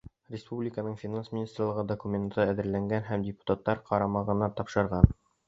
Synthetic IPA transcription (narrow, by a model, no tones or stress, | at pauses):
rʲɪspublʲɪkənɤɴfʲɪnansmʲɪnʲist̪rlˠɤ̆ʁɤd̪okumʲent̪ːɤæðɘ̆ɾlæŋɡænɦæmdʲɪpu̥t̪at̪ːɑɾqʰɑɾɑmɑʁɤ̆nɑt̪ɑpʃɤ̆ɾʁɑn